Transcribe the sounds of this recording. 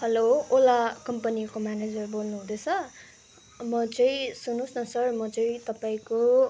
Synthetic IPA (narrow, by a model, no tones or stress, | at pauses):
hʌloolakʌmpʌnirkomaned͡zʌrbolnuɦũd̪esʰʌ | mʌt͡sʌĩsunũsnʌsʌrmʌt͡sʌĩt̪ʌpaĩko